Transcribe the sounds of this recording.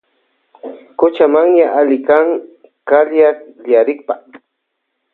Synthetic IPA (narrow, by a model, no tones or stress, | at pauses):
kʊt͡ʃamaŋɲaʔalɪkaŋ | kaljaʎjaɾɪk̚pa